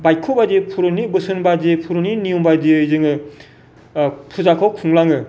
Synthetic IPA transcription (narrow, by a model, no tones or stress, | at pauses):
bajkʰɯbadepʰuɾɯnibɯsɯnbadepʰuɾɯninijumbadiɯzɯŋɯ | pʰuzakʰawkʰuŋlaŋɯ